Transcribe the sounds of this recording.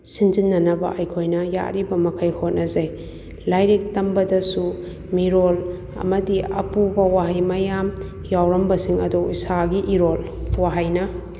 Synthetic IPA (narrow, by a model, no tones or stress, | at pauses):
sinzinːɐnɐbɐ̰ʔɐjkʰojnɐja̰ʔɾibɐmɐkʰɐjhot̚nɐzɐj | lajɾek̚tɐmbɐdɐsu | miɾol | ɐ̰mɐdiɐ̰pubɐwaɦɐjmɐjam | jawɾɐmbɐsiŋɐ̰duisaɡiʔiɾolwaɦajnɐ